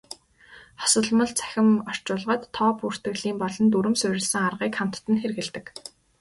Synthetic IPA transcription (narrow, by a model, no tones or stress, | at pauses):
χɔ̥sə̆ɮmə̆ɮt͡sʰæ̥xʲɪ̆mɔr̥t͡ɕʊːɮʁə̆t̪ʰːɔːpur̥t̪ɘ̆ɣɮiːmpɔɮɞ̆nt̪uɾɘ̆msʊɾʲɪ̆ɮsɘ̆ŋarʁiːkχam̥t̪ːɘ̆nxerɣɘ̆ɮt̪ɘ̆k